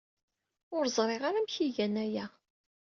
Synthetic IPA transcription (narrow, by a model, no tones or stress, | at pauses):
ʊɾzˤɾˤeʁaɾæmçiʝænæjæ